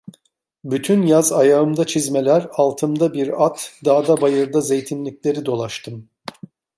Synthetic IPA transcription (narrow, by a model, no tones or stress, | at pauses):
byt̪ʰynjazajaɯmd̪at͡ʃʰizme̞lʲæɾalˠt̪ʰɯmd̪abiɾat̪d̪aːd̪abajɯɾd̪aze̞jt̪ʰinlʲicʲlʲe̞ɾid̪o̞lˠaʃt̪ʰɯm